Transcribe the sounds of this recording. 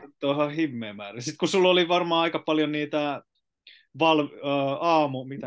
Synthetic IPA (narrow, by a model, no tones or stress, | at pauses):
t̪ːoihɑhimːeːmæːresit̪kusulːoliʋɑrmɑːɑikɑpɑljoniːt̪æ | ʋɑlʋɑːmumit̪æ